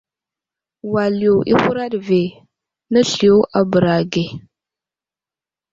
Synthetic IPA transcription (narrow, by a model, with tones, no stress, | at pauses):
wa˨li˨o˨ʔḭ˦hu˦ɾa˦ɗve˨ | nə˦ɬi˨o˦ʔa˨bə˨ɾa˨ɡe˨